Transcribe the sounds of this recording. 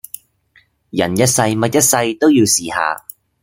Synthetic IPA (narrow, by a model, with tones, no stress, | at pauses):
jɐ˨˩njɐ˥t̚sɐ˧jmɐ˥t̚jɐ˥t̚sɐ˧jt̪o˥wjiː˧wsiː˨˩ha̰ː˨˧